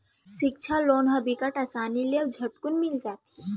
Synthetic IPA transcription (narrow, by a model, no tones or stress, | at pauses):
ʃɪk̚t͡ʃʰaloːnɦɐbikəʈɐsaːnileɐbd͡ʒʱɐʈkʊnmɪld͡ʒaːt̪i̥